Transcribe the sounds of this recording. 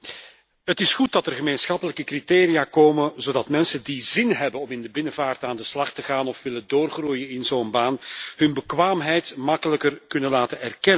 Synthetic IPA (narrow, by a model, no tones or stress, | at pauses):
ɦətɪsxut̚dɑtərɣəmeːnsxɑpələkəkriteːɾijaːkoːməzoːdɑtmɛnsəndizɪnɦɛbənɔmɪndəbɪnəvaːrtaːndəslɑxtəɣaːnɔfʋɪləndoːrɣrujənɪnzoːnbaːnhɵnbəkʋaːmɦɛjtmɑkələkərkɵnənlaːtənɛrkɛnə